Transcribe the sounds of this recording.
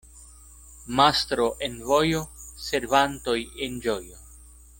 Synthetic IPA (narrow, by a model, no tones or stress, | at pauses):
mast̪ɾoʔenvo̞jose̞ɾvanto̞jend͡ʒojo